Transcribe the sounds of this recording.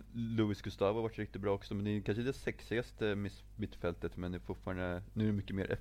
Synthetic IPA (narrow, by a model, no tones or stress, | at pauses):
lʊɪsɡɵst̪ɑːvhaɾvaʈːɾɪk̚t̪ɪt̪̚bɾɑːɔksɔmɛnd̪ɛkʰanʂəd̪ɛsɛksɪɡast̪əmɪ | ɪt̪ːfɛlt̪ət̪mɛnd̪ɛfʊʈfɑːɾaɳd̪ənʉ̟ːæɖɛmʏkːəmḛːɾʔɛ̰